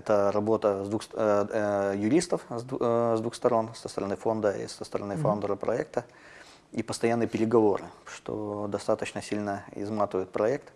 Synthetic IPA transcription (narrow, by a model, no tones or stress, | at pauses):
ɛt̪əɾɐbo̞t̪əzd̪vuxs | jʊɾʲist̪əfzzd̪vuxst̪ɐɾo̞nsə̥st̪əɾɐnɨfo̞nd̪əḭsəst̪əɾɐnɨfond̪əɾəpɾɐ̰ɛk̚t̪ə | ipəst̪ɐjanːɨjpʲɪɾʲɪɡɐvo̞ɾɨ̰ʂt̪o̞̰d̪ɐst̪at̪ət͡ɕnəsʲilʲnəɪ̰zmat̪vəjʊt̪pɾɐɛk̚t̪